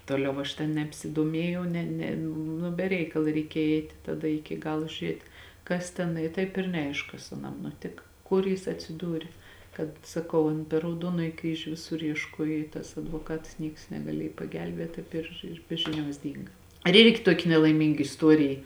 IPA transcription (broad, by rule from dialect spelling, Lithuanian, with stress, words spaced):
ˈtoːˌlʲɛʊ ɐʃ tʲɛn nʲɛpʲsʲɪdoːˈmʲiɛjɛʊ ˈnʲɛ nʲɛ ˈnʊ bʲɛ ˈrʲɛɪkɐlˠɐ rʲɛɪˈkʲeːj ˈɛɪtʲɪ tɐˈdɐ ˈɪkʲɪ ˈɡɑːlˠoː ʒʲʊˈrʲiɛtʲ ˈkɐs tʲɛn ɪ ˈtɐɪp ɪr nʲɛˈɐɪʃk ˈkɐs ɐˈnɐm nʊˈtʲɪkɐ ˈkʊr jɪs ɐtʲsʲɪˈduːrʲɪ ˈkɐt sɐˈkɐʊ ɐn pʲɛr rɐʊˈduɔnoːjɪ ˈkrʲiːʒʲʊ ˈʋʲɪsʊr iɛʃˈkuɔj ɪ tɐs ɐdʋoːˈkɐts ˈnʲiɛks nʲɛɡɐˈlʲiɛj pɐɡʲɛlʲˈbʲeːt ˈtɐɪp ɪr ɪr ˈbʲɛ ʒʲɪˌnʲuɔs ˈdʲiːŋɡɐ ɪr ˈɪrʲɡʲɪ ˈtuɔkʲɪ nʲɛlˠɐɪˈmʲiːŋɡɐ ɪsˈtuɔrʲɪjɪ